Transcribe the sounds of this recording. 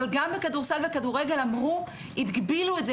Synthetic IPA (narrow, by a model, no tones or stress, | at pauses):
alɡambekaduʁsalvekaduʁe̞ɡe̞lamʁu | it̪ɡbiluetze